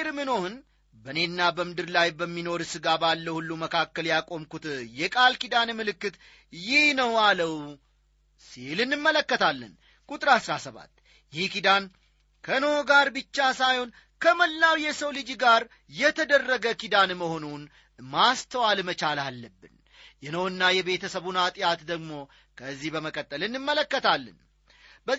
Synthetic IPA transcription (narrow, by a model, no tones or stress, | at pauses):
ɾmɨno̞hɨn | bəne̞nːabəmɨd̪ɨɾlajbəmːino̞ɾɨsɨɡabalːəhulːuməkʰakːəljakʼo̞mkut̪jɛkʼalkid̪anmɨlɨkːɨt̪ | jɪhnəwaləw | silɨnːɨmːələkːət̪ʰalːə̰n | kʼut̪ʼɨɾasɾasəβa̰t̪ː | jɪhkid̪an | kʰənəoɡaɾbɨt͡ʃːasajho̞n | kʰəməlːawjɛsəwlɨd͡ʒɡaɾ | jɛt̪ʰəd̪ərːəɡəkid̪anməho̞nun | mast̪ʰəwalmət͡ʃalalːəbːɨn | jɛnəwɨnːajɛβe̞t̪ʰəsəβunat̪ʼjat̪d̪əɡmo̞ | kʰəzːihbəməkʼət̪ʼːəlɨnːɨmːələkːət̪ʰalːə̰n | bə